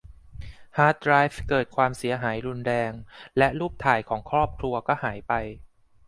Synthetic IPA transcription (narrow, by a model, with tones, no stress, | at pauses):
haː˦˥t̪̚ɾaː˦˥jfkɤː˨˩t̪̚kʰwaː˧msi˩˦ɐɦaː˩˦jɾu˧nɾɛː˧ŋlɛ˦˥ʔluː˥˩p̚t̪ʰaː˨˩jkʰɔː˩˦ŋkʰɾɔː˥˩p̚kʰlu˧ɐkɔː˥˩haː˩˦jpa˧j